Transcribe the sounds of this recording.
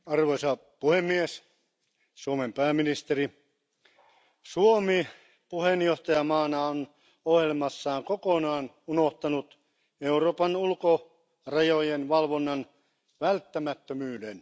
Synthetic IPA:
ɑrʋoisɑpuhemːies | suomempæːmːinist̪eri | suomi | puhenjoht̪ɑjɑmɑːnɑon | ohjelmɑsːɑːŋkokonɑːn | unoht̪ɑnut̪ | euroːpɑnulko | rɑjojenʋɑlʋonːɑn | ʋælt̪ːæmæt̪ːømyːden

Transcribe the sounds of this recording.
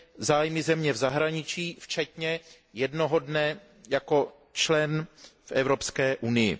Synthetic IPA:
zaːjmɪzɛmɲɛvzaɦɾaɲɪt͡ʃiːft͡ʃɛt̪ɲɛ | jɛdno̞ɦodnɛ | jako̞ | t͡ʃlɛnfʔɛvɾo̞pskɛːʔunɪjɪ̰

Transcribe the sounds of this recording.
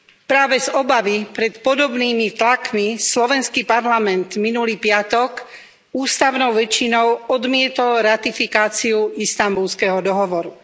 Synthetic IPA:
pɾaːʋɛzɔbaʋipɾɛt̪pɔd̪ɔbniːmit̪lakmislɔʋɛnskipaɾlamɛnt̪minuliːpɪat̪ɔk | uːst̪aʊnɔʊʋɛt͡ʃinɔʊɔd̪mɪɛt̪ɔlɾat̪ifikaːt͡siuist̪ambulskɛɦɔd̪ɔɦɔʋɔɾu

